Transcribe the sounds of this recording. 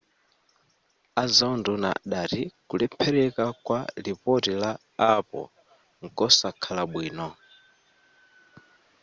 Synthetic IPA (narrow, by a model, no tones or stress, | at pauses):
azanduna̰ɗatikulɛpʰɛɾɛkakwalipɔtilaː | pɔ̰ | ŋkɔsakʰalaɓwiːnɔ